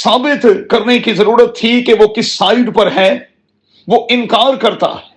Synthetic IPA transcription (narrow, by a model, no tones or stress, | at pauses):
saːbɪt̪kɐɾnekizɐɾuːɾət̪ʰːikeʋokɪsːaːɪɖpɐɾɦɛː | ʋoːʔɪ̃nkaːɾkɐɾt̪a̰ːɦɛː